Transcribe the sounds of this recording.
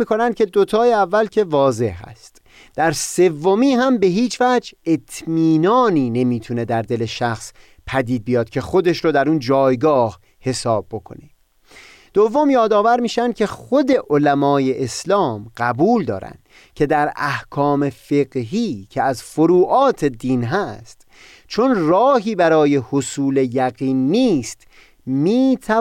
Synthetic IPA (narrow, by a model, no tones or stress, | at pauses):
iːkʰo̞nænd̪̚cʰʲe̞d̪ot̪ʰɒːjeævːælcʰe̞vɒːze̞hhæ̰st̪ | d̪̥æɾse̞vːo̞miːɦæmbe̞ɦiːt͡ʃʰvæd͡ʒe̞t̪ʰmiːnɒːniːne̞miːt̪ʰune̞d̪æɾd̪e̞le̞ʃæxs | pʰæd̪iːd̪̚bijɒːd̪̥̚cʲʰe̞xo̞d̪e̞ʃɾoːd̪æɾuːnd͡ʒɒːjɡɒːh | he̞sɒːb̚ːo̞kʰo̞̰ne | d̪̥ovːo̞mjɒːd̪ɒːvæɾmiːʃænd̪̚cʲʰe̞χod̪e̞ʔolæmɒːje̞ʔeslɒːmɢ̥æbuːld̪ɒ̰ːɾæ̰nd̪̥ | cʰe̞d̪æɾæhkʰɒːme̞fe̞ɡɦiːcʰeæzfoɾuːʔɒːt̪ʰe̞d̪iːnɦæst̪ | t͡ʃʰonrɒːɦiːbæɾɒːjehosuːle̞jæɡiːnːiːst̪ | miːt̪ʰæ